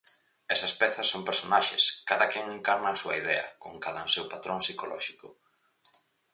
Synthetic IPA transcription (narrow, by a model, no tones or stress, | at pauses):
ɛsɐspɛθɐsːompeɾsonaʃḛskaðɐkɛŋeŋkaɾnɐːsuɐiðɛɐ̰koŋkaðɐsewpat̪ɾoŋsikolɔ̰ʃikʊ